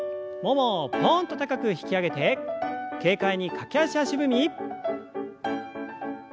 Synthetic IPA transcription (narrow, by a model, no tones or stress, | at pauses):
momopõnt̪o̞t̪akakɯ̟çi̥kʲiaɡe̞t̪e̞ke̞ːkaiɲ̟ikʰakʲeaɕiaɕibɯ̟mʲi